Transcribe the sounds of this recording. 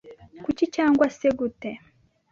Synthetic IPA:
kucicaːŋɡwaseɡute

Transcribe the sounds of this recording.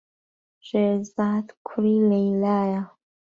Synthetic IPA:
ʒezatkʷʰrilejlaja

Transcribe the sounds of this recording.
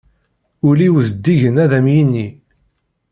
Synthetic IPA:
ʊliwzd̪ːiʝənæðæmjinːi

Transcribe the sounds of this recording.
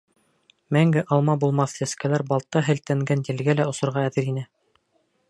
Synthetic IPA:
mæŋɡɘʔɑlˠmɑbulˠmɑθt̪æskælæɾbɑlˠt̪ːɑɦɘ̆lt̪æŋɡænt̪ɘ̆lɡælæŏsŏɾʁɑːðɘɾinɘ

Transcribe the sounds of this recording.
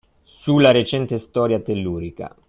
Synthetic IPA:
ssulːaɾet͡ʃɛnt̪est̪ɔːɾjat̪elːuːɾika̰

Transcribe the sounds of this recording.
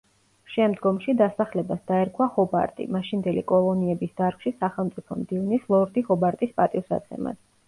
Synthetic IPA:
ʃɛmd̪ɡɔmʃid̪asaχlɛbasd̪aɛɾkʰwahɔba̰ɾt̪ʼḭmaʃind̪ɛlḭkʼɔlˠɔniɛbisd̪̥aɾkʰʃisaχɛlˠmt̪sʼipʰɔmd̪ivnislˠɔɾd̪ihɔbaɾt̪ʼispʼat̪ʼifsa̰t̪sʰɛ̰ma̰s

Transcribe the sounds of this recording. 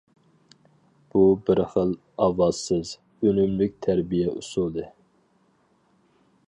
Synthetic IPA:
b̥ubɪɾχəlˠ | ɑwɑzsɨz | ønymlyk̚ʲt̪ʰæɾbijɛʔṵsulˠd̪ɨ

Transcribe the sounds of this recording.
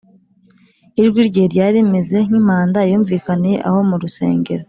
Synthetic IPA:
iɾɡwiɾɟeːɾɟaːɾemeze̞ŋ̥im̥aːndajuːɱviːkaneḛʔa̰ho̞muɾuse̞̰ːŋɡe̞ɾo

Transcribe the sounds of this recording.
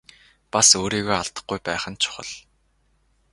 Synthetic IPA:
pasoːɾiːɣoːaɮt̪ə̆χɡujpæːχə̆nt͡ɕʰʊ̥χə̆ɮ

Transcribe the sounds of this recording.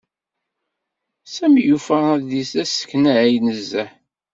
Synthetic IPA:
sæmjufəæððisæsə̥kːnæʕæjnəzːæħ

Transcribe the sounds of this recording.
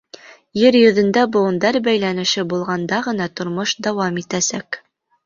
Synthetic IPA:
jɘɾjɵ̆ðɘ̆nd̪æbŏɤ̆nd̪ɑɾbæjlænɘ̆ʃɘbulˠʁɑnd̪ɑʁɤ̆nɑt̪ŏɾmoʃd̪æwɑmit̪æsæk

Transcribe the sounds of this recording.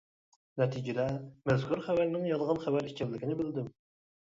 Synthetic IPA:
nɛt̪ʰid͡ʒid̪ɛmɛzkʰuɾχæwæɾnɪŋjɑlˠʁɑnχævæɾit͡ʃʲʰɛllɪkʲinɪbɪld̪ɪm

